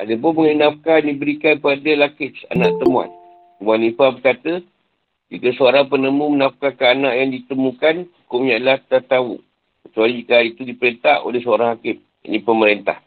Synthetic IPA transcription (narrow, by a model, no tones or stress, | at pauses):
ʔa̰dap̬ʊnməŋənafkajndibəɾikanpadəlakɪt̪sa̰naʔt̪əmua̰n | wanifabərkat̪ə | d͡ʒikəsəoɾaŋpənəmumənafkakəanaʔjaŋdit̪əmukanukʊʔɲaʔlaht̪ət̪aṵ | kət͡ʃualikait̪udipəɾent̪aʔo̰lɛhsəoɾaŋhakɪm | ja̰ʔnĩpəməɾent̪a̰h